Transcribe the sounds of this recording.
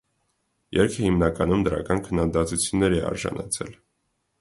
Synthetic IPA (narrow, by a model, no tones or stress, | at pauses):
jɛɾkʰəhimnɑkɑnumd̪əɾɑ̰kɑnkʰənːɑd̪ɑt̪ut͡sʰjunːɛɾɛɑ̰ɾʒɑ̰nɑt͡sʰɛ̰l